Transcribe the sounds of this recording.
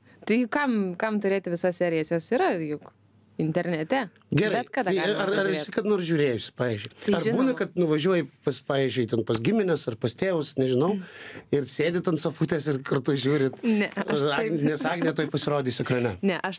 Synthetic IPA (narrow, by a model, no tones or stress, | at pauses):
t̪ɐɪjkɐmkɐmt̪ʊɾʲeːt̪ʲɪʋʲɪsɐssʲæːɾʲɪjɛsjoːsiːɾɐjʊk | ɪnʲt̪ʲɛɾʲnʲɛt̪ʲɛ | ɡʲɛɾɐbʲɛt̪kɐd̪ɐɐɪɐɐrɐrʋʲɪsʲɪkɐt̪noːrsʒʲuːɾʲeːjʊsʲɪ̥pɑːʋʲiːzʲd͡ʒʲʊɪɐrʒɪbuːnɐkɐt̪̚nʊʋɐʒʲuɔjɪpɐspɑːʋʲiːzʲd͡ʒʲʊɪt̪ʲɛnpɐsɡʲɪmʲɪnʲɛsɐrpɐst̪ʲeːʋʊsnʲɛʒʲɪnɐʊɪrsʲeːd̪ʲɪt̪ɐnsɐfuːt̪ʲɛsɪrkɐrt̪ʊʒʲuːɾʲɪt̪nʲɛɑːɪnʲɛsɑːɡnʲɛt̪oːjpɐsʲɪɾoːd̪ʲiːsʲɐkɾɐnʲɛnʲɛʔɐʃ